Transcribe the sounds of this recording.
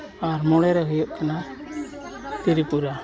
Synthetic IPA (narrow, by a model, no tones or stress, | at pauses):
aɾmɔɽɛɾɛɦujɔʔkana | t̪iɾipuɾa